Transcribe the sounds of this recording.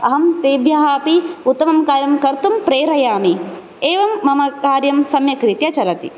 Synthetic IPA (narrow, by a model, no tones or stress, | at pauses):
ɐɦɐmt̪eːbʱjaːɦaːpiut̪ːɐmɐmkaːɾjɐmkɐɾt̪umpɾeːɾɐjaːmi | eːʋɐmːɐmɐkaːɾjɐmsɐmjɐkɾit̪jɐt͡ʃɐlɐt̪ḭ